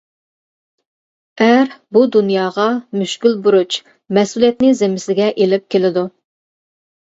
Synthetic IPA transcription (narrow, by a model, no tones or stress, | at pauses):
æɾbud̪unjɑːʁɑmyʃkʲylbuɾut͡ʃ | mɛsulijɛt̪nɪzemɪsɪɡʲɛʔelɪp̚kʲʰelɪd̪u